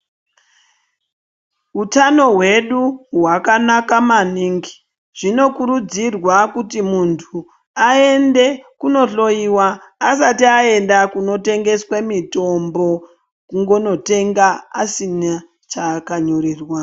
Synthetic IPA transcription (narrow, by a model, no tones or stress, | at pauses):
ɦutano̞ɦwe̞ɗuɦwakanakamaniŋɡi̥ | ʐ̥ino̞kuɾud͡zirwakutimuntʰu | aende̞kuno̞ɬo̞iwaː | satiae̞ndakuno̞te̞ŋɡe̞swemito̞mbo̞ | kuŋɡo̞note̞ŋɡaasina | t͡ʃakaɲoɾiːrwa